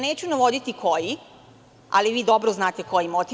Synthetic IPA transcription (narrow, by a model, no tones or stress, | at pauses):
neːt͡ɕunaʋo̞d̪it̪ikʰoji | a̰liʋiːd̪o̞bɾoznaːt̪eko̞jimot̪